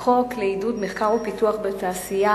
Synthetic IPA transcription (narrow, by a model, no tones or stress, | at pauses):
χo̞kleidudmeχkaʁopituaχbet̪aːsija